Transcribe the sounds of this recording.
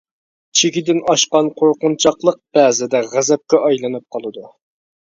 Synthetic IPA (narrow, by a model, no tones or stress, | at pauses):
t͡ʃʰeɡʲid̪ɪnɑʃqɑnqʰoɾqʊnt͡ʃʰɑqlˠəq̚b̥ɛːzɪd̪ɛʁæzɛp̚kʲɛʔɑjlˠɨnɨp̚qʰɑlˠɨd̪u